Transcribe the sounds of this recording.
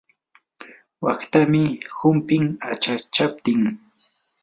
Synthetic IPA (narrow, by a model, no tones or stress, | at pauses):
wakt̪amɪhʊmpɪŋat͡ʃat͡ʃap̚t̪ɪŋ